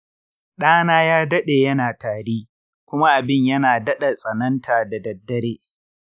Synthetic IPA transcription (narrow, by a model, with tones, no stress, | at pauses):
ɗaː˦naː˦jaː˦dɐ˦ɗeː˨jɐ˦naː˨taː˨ɽeː˦ | kʷʊ˦ma˦ʔa˨bɪ˦˨ɲjɐ˦naː˨dɐ˦ɗɐ˨sʼɐ˨nɐ˦ntʰaː˨da˨dɐ˨dːɐ˦ɽeː˦